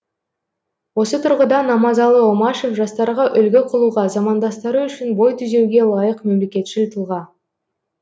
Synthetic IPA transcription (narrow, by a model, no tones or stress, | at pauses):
wo̞sət̪ʰʊɾʁəd̪ɑnɑmɑzɑlˠəomɑʃe̞fʒɑst̪ɑɾʁɑʔʏlɡʲeqʰəlˠuʁɑzɑmɑnd̪ɑst̪əɾəʏʃɪnbo̞jt̪ʰʏze̞wɡʲe̞lˠɑjəqme̞mle̞kʲe̞t̪ʃɪlt̪əlˠʁɑn